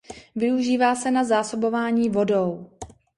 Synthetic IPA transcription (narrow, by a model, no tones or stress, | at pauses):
vɪuʒiːvaːsɛnazaːso̞bo̞vaːɲiːvo̞do̞w